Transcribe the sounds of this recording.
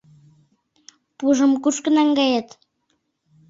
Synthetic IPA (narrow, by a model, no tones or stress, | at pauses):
puʒə̆mkuʃkə̆nɑŋɡɑjɑt̪